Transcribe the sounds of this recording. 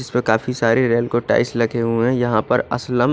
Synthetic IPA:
ɪspekaːfisaːɾeɾeːlkoʈa̰ːɪslɐɡeɦuɛ̃jɐɦãpɐɾɐ̰sləm

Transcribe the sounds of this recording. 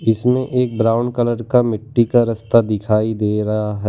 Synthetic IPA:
ɪsmẽʔeːk̚bɾaːʊnkɐləɾkamɪʈːikaɾɐst̪ad̪ɪkʰaːid̪eːɾɐɦaɦɛː

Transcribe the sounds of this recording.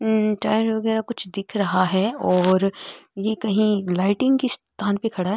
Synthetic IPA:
ʈaːɪɾʋɐɡɛːɾakʊt͡ʃʰd̪ɪkʰɾɐɦaɦɛɔːɾjekɐɦĩlaːɪʈɪ̃ŋɡkist̪ʰaːnpekʰɐɽaɦɛ

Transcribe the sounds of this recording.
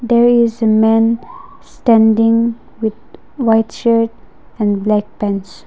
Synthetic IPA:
d̪ɛɹizəmɛ̃n | stɛ̃ndɪ̃ŋ | wɪd̪̚ | waɪtʃəɹt̚ | ɛ̃nblɛk̚pɛ̃ns

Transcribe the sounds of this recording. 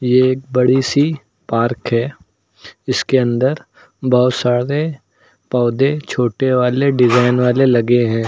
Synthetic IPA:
jeeːk̚bɐɽisi | paːɾkɦɛː | ɪskeɐ̃nd̪əɾ | bɔɦʊsaːɽe | pɔːd̪et͡ʃʰoːʈeʋaːleɖɪzaːɪnʋaːlelɐɡeɦɛ̃ː

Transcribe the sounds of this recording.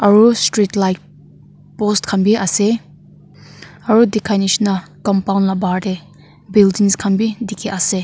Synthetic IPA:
ɐɹustɾitlajk̚ | pɔstkʰanbiʔase | ɐɾudikʰanisnakɔmpawnlabaɾde | bildiŋskʰanbidikʰeʔase

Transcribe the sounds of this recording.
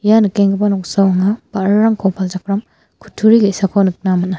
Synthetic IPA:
janɯkeŋɡɯbanɔk̚sawaŋabaɾɯɾaŋkʰɔpʰalzakʰɾam | kʰu̥tʰːuɾiɡesakʰɔnɯk̚namɐna

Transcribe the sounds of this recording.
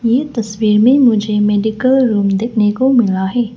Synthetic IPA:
jet̪ɐswiːɾmẽmʊd͡ʒʱemɛːɖɪkəlɾuːmd̪eːkʰnekomɪlaɦɛː

